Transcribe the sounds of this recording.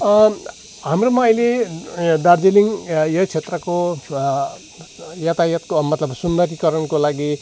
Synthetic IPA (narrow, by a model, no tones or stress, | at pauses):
ɦamromaʌjled̪ard͡zeliŋjʌt͡sʰet̪rʌko | jat̪ajʌt̪̚komʌt̪lʌbsund̪ʌɾikʌɾʌnkolaɡi